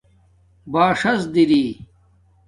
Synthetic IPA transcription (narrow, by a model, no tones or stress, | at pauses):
baːʂɐsd̪iɾiː